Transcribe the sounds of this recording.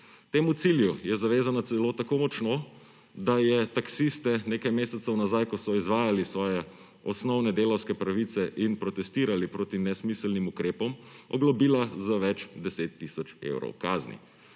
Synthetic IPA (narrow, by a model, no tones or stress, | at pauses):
t̪eːmut̪siljujɛzaʋeːzanat̪sɛloːt̪akoːmɔt͡ʃno | d̪ajɛt̪aksist̪ɛneːkajmeːsɛt̪sɔwnazajkɔsɔizʋaːjalisʋɔːjɛ | ɔsnɔwnɛd̪eːlɐwskɛpɾaʋit̪sɛʔinpɾɔt̪ɛst̪iːɾalipɾoːt̪inɛsmislnimukɾeːpɔmɔɡlɔbiːlazaʋɛt͡ʃd̪ɛseːt̪ːisɔt͡ʃḛwɾɔ̰wkaːznḭ